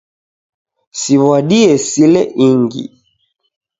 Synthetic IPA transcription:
siβwaɗiɛsilɛʔiŋɡḭ

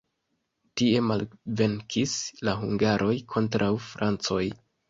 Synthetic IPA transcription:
tie̞malve̞ŋkʰislaɦuŋɡaɾʔo̞jkʰo̞ntɾʔawfɾant͡so̞j

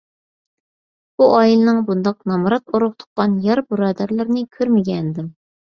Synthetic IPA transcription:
buʔɑːjilˠɨnɨŋbund̪ɑq̚nɑmɾɑt̪oɾʊχt̪ʰʊ̥qqɑnjɑɾbuɾɑːd̪æɾlɪɾnɪkʲʰøɾmɪɡʲɛnd̪ɪm

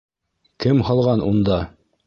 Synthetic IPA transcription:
kɘmhɑlˠʁɑnund̪ɑ

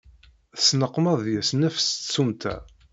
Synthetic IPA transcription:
θsnəqːmɑðˤjæsnæfst͡sːumt̪ʰæ̰

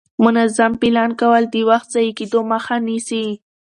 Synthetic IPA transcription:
mʊnazampelɑnkawəld̪ewaxt̪̚z̥ajiked̪oməxanisi

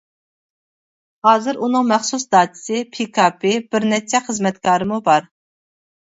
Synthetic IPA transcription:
hɑːzɨɾunɨŋmɛχsusd̪ɑːt̪ʰɪ̥sɪpʰikʰɑpʰɪb̥ɪɾnɛt͡ʃʰːɛχəzmɛt̪kʰɑːɾɨmubɑɾ

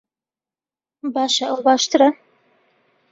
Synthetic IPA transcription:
bɑːʃɐʔɐwbɑːʃt̪ʰɨɾɐ

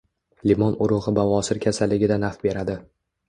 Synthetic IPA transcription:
limɒnʊɾʊʁɨbavɒsɪɾkʲʰasalːɪɡʲɪd̪anafbe̞ɾad̪ɪ

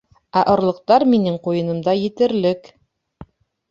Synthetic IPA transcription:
æʔŏɾlˠɤ̆q̚t̪ɑɾminɘɴqujɤ̆nɤ̆md̪ɑjɘ̆t̪ɘ̆ɾlɘk

